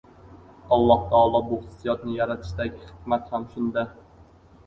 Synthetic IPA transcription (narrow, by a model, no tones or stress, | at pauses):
ɒlˠːɒht̪ʰaɒlˠɒbʊhɨ̥sːijɒt̪nɪjaɾat̪ʰɪ̥ʃd̪aɡʲɪhɨ̥d̪mat̪hamʃʊnd̪a